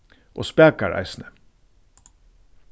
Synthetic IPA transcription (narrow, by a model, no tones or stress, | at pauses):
ʔo̰ːspæːkaɹʔæ̰ɪsnə